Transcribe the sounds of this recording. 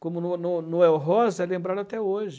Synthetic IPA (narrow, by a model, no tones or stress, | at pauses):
kõmʊnʊnʊnʊɛwɦɔzɛlẽmbɾaɾʊat̪ɛoʒɪ